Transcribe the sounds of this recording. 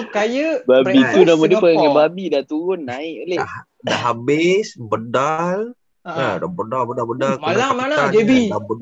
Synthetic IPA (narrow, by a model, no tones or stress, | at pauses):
kajəbabit̪unamadiəpaɡaŋanbabidat̪uɾʊnːaɪʔolea | daɦabɪsbədal | adabədalbədabədamaalaalad͡ʒebidabə